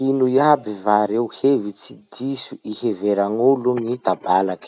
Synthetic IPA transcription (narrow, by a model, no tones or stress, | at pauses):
inujabivaɾewhevit͡sid̪isuʔiheveɾaŋuluŋit̪abalak